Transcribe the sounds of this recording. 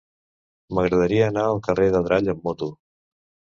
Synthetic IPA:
məɣɾəðəɾiəːnaəlˠkəreðəðɾaʎəmːɔt̪u

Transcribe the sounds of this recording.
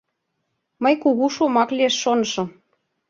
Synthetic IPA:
məjkuɣuʃomɑklieʃːon̆ʃɤ̆

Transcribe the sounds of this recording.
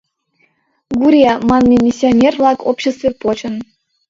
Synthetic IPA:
ɡuɾʲemɑnmʲemʲisʲːionʲervlˠɑkopɕest̪vʲepot͡ɕə̆n

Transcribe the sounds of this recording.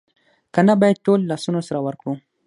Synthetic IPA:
kanabɑjad̪̚ʈolːɑsunosaɾawəɾkɽu

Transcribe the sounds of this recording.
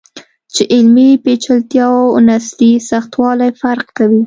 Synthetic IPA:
t͡ʃeʔɪlmipet͡ʃalt̪jɑwnaslisaxt̪wɑlajfaɾqkawi

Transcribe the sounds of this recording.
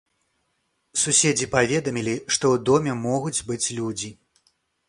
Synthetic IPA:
susʲed͡zʲipavʲɛd̪ɐmʲilʲiʂt̪ɔwd̪ɔmʲɛmɔɣud͡zʲbɨt͡sʲlʲud͡zʲi

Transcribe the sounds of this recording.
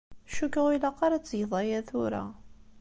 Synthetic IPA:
ʃukːəʁilɑqɑɾæt͡sːjðˤɑjæθʊɾæ̰

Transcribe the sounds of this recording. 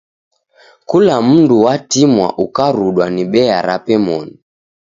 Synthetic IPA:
kulam̩nduwatimwa̰ʔukaɾuɗwaniɓɛaɾapɛmɔni

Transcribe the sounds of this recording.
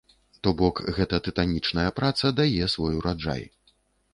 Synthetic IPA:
t̪ɔbɔkɣɛt̪ɐt̪ɨt̪anʲit͡ʂnɐjɐpɾat̪sɐd̪ajɛsvɔjuɾad͡ʐa̰j

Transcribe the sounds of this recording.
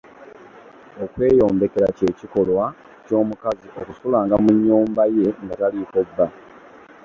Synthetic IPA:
o̞kwe̞ːjo̞ːmbe̞ke̞ɾace̞ːciko̞lwa | co̞ːmukaziʔo̞kusulaːŋɡamuɲːuːmbaje̞ŋɡatalikobːa

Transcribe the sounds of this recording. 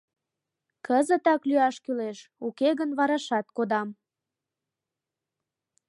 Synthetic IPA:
kəzət̪ɑklyɑʃkyleʃukeɣənβɑɾɑʃɑt̪̚kod̪ɑm

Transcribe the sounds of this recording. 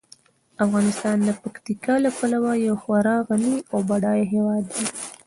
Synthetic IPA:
afɣɑnɪst̪ɑnd̪əpakt̪ikɑlapalawajawxwaɾɑɣaniawbaɽɑjeɦewɑd̪ːi

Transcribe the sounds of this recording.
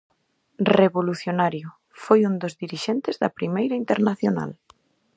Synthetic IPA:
reβoluθjonaɾjʊ | fojund̪ozðiɾiʃɛnt̪ɪzðɐpɾimejɾɐint̪eɾnaθjona̰l

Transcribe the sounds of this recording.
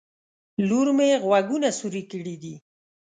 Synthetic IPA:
luɾmeɣwaɡunasuɾikəɽid̪i

